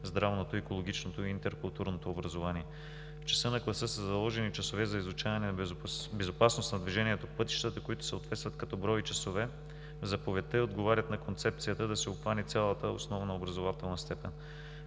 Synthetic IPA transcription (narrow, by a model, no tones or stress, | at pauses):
zd̪ɾavnot̪oikolˠoɡ̟ʲit͡ʃnot̪oiint̪ɛɾkʊlˠt̪uɾnot̪oːbɾɐzovaniɛ | ft͡ʃɛ̥sɤnɐklˠɐsɤsəzɐlˠɔʒɛnit͡ʃɐsovɛzɐizʊt͡ʃavɐnɛnbɛzopasnost̪nɐd̪viʒɛniɛt̪opɤt̪i̥ʃt̪ət̪əkoit̪ʊ̥sɛot̪vɛt̪t̪vɐt̪kɐt̪ɔbɾɔjit͡ʃɐsovɛ | vzɐpovɛt̪əod̪ɡovaɾʲət̪nɐkont̪sɛp̚t̪sijət̪əd̪ɐsɛʊxvanit̪sʲjalˠət̪əo̰snɔvnɐobɾɐzovat̪ɛlˠnəst̪ɛpɛn